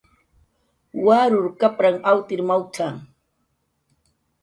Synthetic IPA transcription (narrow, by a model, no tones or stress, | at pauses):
waɾʊɾkapɾaŋawt̪ɪɾmawt͡ʃaŋ